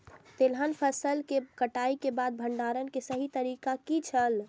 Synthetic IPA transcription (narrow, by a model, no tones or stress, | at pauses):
t̪elɦənpʰəsəlkekəʈaikebad̪̚bʱəɳɖaɾənkesəɦit̪əɾikakit͡ʃʰəl